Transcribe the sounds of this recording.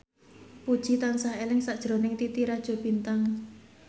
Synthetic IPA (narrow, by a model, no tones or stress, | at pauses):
pud̥ʒ̥i̤t̪ansaɦelɪŋsaʔd̥ʒ̥ɾo̤nɪŋt̪it̪iɾad̥ʒ̥o̤b̥int̪aŋ